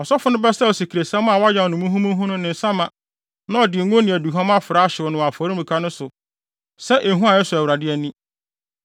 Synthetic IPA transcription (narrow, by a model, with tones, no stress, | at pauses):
ɔ˨sɔ˦fʊ˦nʊ̃˦bɛ˦sa˦ɔ˨si˨kʰi˨ɾe˨sɛ̃˦m˦a˨wɔ˦a˦ja˨ɔ˨nʊ̃˨mũ˦ɦũ˦mũ˦ɦũ˦nʊ̃˦nɪ̃˨n̩˨sã˦mã˨ | nã˦ɔ˨dɪ˨˦ɡõ˦nĩ˨æ˨du˨ɦã˦mã˦fɪ˨ɾa˨˦ɕɪ˨wɔ˨nʊ̃˨a˨fɔː˨˦ɾi˦mũ˨kʰa˦nʊ̃˦sʊ˨ | sɛ˦ʔe˨ɦũ˦a˨ɛ˦sʊ˨æ˨wɾa˨dɪ˦ɛ˨nĩ˦